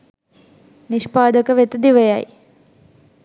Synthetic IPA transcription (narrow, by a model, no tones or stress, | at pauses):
niʃpaːd̪əkəʋet̪əd̪iʋəjaj